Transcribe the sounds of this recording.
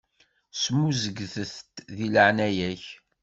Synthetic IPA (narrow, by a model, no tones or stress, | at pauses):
smːuzəɡθəθt̪ðiləʕnæjæç